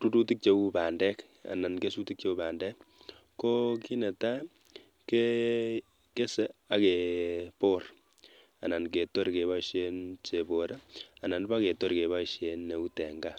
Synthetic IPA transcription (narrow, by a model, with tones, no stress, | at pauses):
tu˦tu˦ti˦k̚t͡ʃe˨˦u˦pa˨ndɛ˦k | a̰˨na˨nke˦su˦ti˦k̚t͡ʃe˦u˦paː˨ndɛ˦k | kːo˦ki˦ne˨ta˦ | ke˦ | ke˦sɛ˦a˨ke˨po˦r | a˨na˨nke˨to˦ɾke˨βa˦ʃe˦nt͡ʃe˨bo˨ɾa˨na˨npa˦ke˨tɔ˦ɾke˨βa˦ʃe˨nːe˨u˦tɛ˨ŋɡa˦